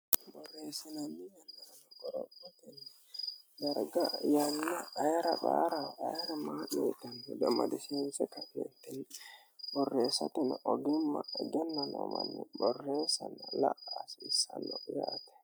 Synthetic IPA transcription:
bɔrːɛsananijanːanɔɡɔɾɔatɛn | daɾɡajanːaʔːjɾaɓaɾawʔajɾamaɗɛtanɛɗɛma̰dɛsimsɛkaɛntɛn | bɔrːɛsatɛnʔɔɡimːaɡɛnːanɔ̰manːibɔrːɛsanalaʔasisanɔjatɛ̥

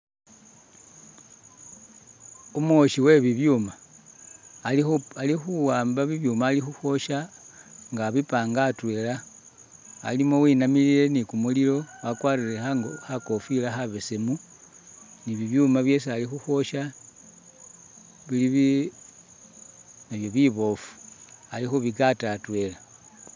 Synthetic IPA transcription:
umwoʃiwe̞βiβjuma | alixuwaːmbaβiβjuːmaːlixuxwo̞ʃaŋɡaβipaːŋɡatwe̞ːla | a̰limo̞winamilile̞nikumulilo̞wakwaːɾilexako̞filaxaβesemu | niβiβjuːmaβje̞sialixuxwo̞ʃa | βiliβi | naβjo̞βiβo̞fu̥alixoβikatatwe̞la

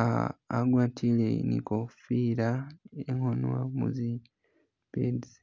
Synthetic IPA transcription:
aːɡwaːtʰileinḭkofiɾaeŋonwa̰mṵzi | pedi

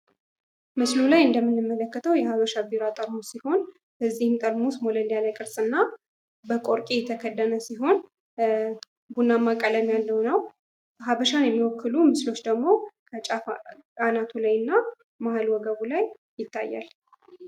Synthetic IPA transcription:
mɨslulajɨnd̪əmːɨnːɨmːələkːət̪ʰəwjɛhaβəʃabiɾat̪ʼəɾmusiho̞n | bəzːihɨmt̪ʼəɾmusmoləljaləkʼɨɾsʼɨnːa | bəkʼoɾkʼijɛt̪ʰəkʰəd̪ːənəsiɦo̞n | bunːamːakʼələmjalːəwnəw | ɦaβəʃanjɛmːiwɔkʰːɨlumɨslo̞t͡ʃːd̪əɡmo̞kʰət͡ʃʼafanat̪ʰulajɨnːa | mahalwɔɡəβulaj | jɪt̪ʰːa̰jːa̰l

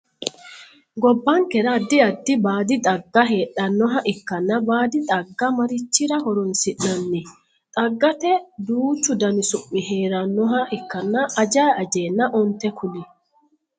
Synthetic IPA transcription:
ɡɔbːɐŋkɛɾɐd̪ːɪɐd̪ːɪbaːd̪ɪt̪ʼɐɡːɐɦeːᶑɐnːɔɦɐʔɪkːɐnːɐbaːd̪ɪt̪ʼɐɡːɐmɐɾɪt͡ʃːɪɾɐɦɔɾɔnsɪʔnɐnːɪ | t̪ʼɐɡːɐt̪ɛd̪uːt͡ʃːʊd̪ɐnɪsʊpːɪheːɾɐnːɔɦɐʔɪkːɐnːɐʔːd͡ʒaːɐd͡ʒeːnːɐʔɔnt̪ɛkʰʊlɪ

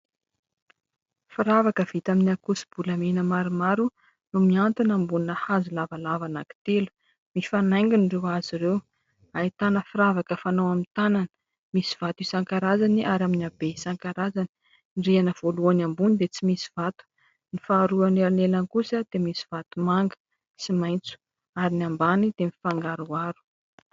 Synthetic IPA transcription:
fiɾavakəv̥it̪aminiakusi̥b̥uləmenəmaɾimaɾu | numiant̪inambuninəhazulavalavanaki̥t̪elu̥ | mifanajŋɡinirewaziɾew | ait̪anəfiɾavakəfanowamit̪ananə̥ | misiv̥at̪uisaŋkaɾazaniʔaɾjaminʲabeisaŋkaɾazani̥ | nɖ͡ʐianəv̥oluanambunid̪et͡simisi̥v̥at̪u̥ | nifaːɾuaneɾanelankusəd̪̥emisi̥v̥at̪umaŋɡə̥ | simajnt͡su̥ | aɾiniambanid̪̥emifaŋɡaɾuaɾu̥

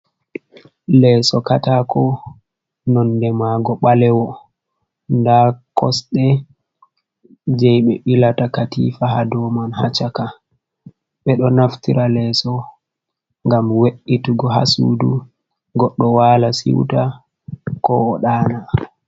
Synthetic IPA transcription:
lɛːsɔkatakɔ | nɔndɛmaɡɔɓalɛwɔ | ndakɔsɗɛ | d͡ʒɛjɓɛɓilatakatḭfahadɔmanha̰t͡ʃaka | ɓɛɗɔnaftiɾalɛːsɔ | ŋɡamweɗːituɡɔɦa̰sṵdu | ɡɔɗːɔwalasḭwta | kɔ̰ːɗaːna

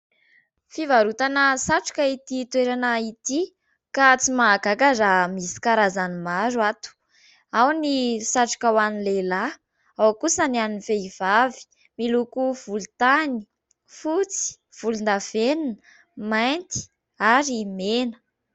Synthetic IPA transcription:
fivaɾut̪anəsaʈ͡ʂu̥kʲait̪it̪weɾanait̪i | kat͡simaːɡakazamisi̥kaɾazanimaɾwat̪u̥ | awnisaʈ͡ʂu̥kʲawanilela | awkusənaninifeiv̥avi̥ | milukuv̥ulut̪ani̥ | fut͡si̥ | v̥ulund̪av̥eninə | majnt̪i̥ | aɾimenə̥

